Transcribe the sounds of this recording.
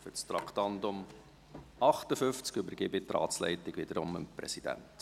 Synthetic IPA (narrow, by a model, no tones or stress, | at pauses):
fʏst̪ɾɑktɑndʊm | ɑχtəfʏft͡skybəɾɡɪbɪt̪rɑ̰ːtt͡slɛ̰ɪtɪɡʋɪd̥̪əɾʊməmprɛ̰sid̥æ̰nt